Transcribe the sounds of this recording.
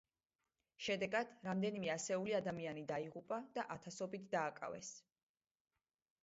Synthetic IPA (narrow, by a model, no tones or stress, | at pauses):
ʃɛd̪ɛɡad̪̥ɾamd̪ɛnimɛasɛuliad̪amianid̪aiʁupʼad̪̥aʔat̪ʰasɔbit̪ʰd̪aːkʼa̰vɛ̰s